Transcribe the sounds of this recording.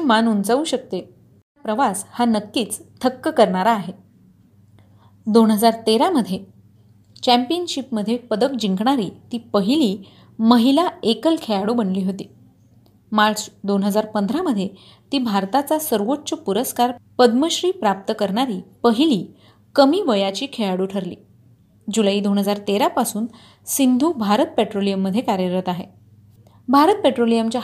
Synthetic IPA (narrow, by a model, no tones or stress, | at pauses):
manunt͡sauːɕək̚t̪e | tapɾəʋashanəkːiːt͡st̪ʰəkːəkəɾɳaɾaːɦe | d̪onɦəd͡zaɾt̪eɾaməd̪ʱːje | t͡ɕæmpiənɕipməd̪ʱːjepəd̪əkd͡ʑiŋkɳaɾiːt̪iːpəɦiliː | məɦilaekəlkʰeɭaɽubənliːɦot̪iː | maɾt͡sd̪onɦəd͡zaɾpənd̪ʱɾaməd̪ʱje | t̪iːbʱaɾt̪at͡sasəɾʋoʈːt͡ɕəpuɾəskaɾpəd̪məɕɾiːpɾap̚t̪əkəɾɳaɾiːpəɦiliː | kəmiːʋəjat͡ɕiːkʰeaɽuːʈʰəɾlḭː | d͡ʑulaiːd̪onɦəd͡zaɾt̪eɾapasuːn | sind̪ʱuːbʱaɾət̪̚peʈɾolijəmːəd̪ʱːjekaɾjəɾət̪aɦḛ | bʱaɾət̪̚peʈɾolijəmt͡ɕja